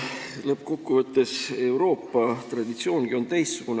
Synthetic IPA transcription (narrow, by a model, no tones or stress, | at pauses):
lɤpːko̞kːuvɤt̪ːe̞se̞wɾo̞ːpːɑt̪rɑd̪it̪sio̞ːnɡ̥io̞nt̪ejstsuɡ̥un